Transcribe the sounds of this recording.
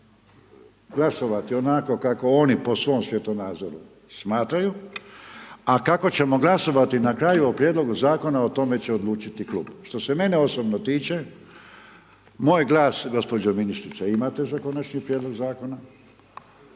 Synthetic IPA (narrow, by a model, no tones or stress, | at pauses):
ɡlˠaso̞ʋat̪io̞nako̞kako̞o̞nipo̞sʋo̞msʋjet̪onaːd̪zoɾu | smaːt̪ɾaju | akako̞t͡ɕe̞mo̞ɡlˠaso̞ʋat̪inakɾaːjuopɾjeːd̪lo̞ɡuzaːko̞nao̞t̪o̞me̞t͡ɕe̞o̞d̪lˠuːt͡ʃit̪iklṵːbʃt̪o̞se̞me̞neo̞sobnot̪iːt͡ʃe̞ | moːjɡlaːsɡo̞spod͡ʒominist̪ɾit͡ʃaimat̪e̞zako̞nat͡ʃnipɾjed̪lo̞ɡzaːko̞na